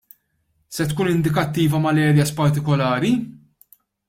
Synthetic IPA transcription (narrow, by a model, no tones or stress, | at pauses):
sɛt̪kuːnɪnd̪ɪkɐt̪ːiːvɐmɐlɛːɾjɐspɐɾt̪ɪkɔlɐːɾi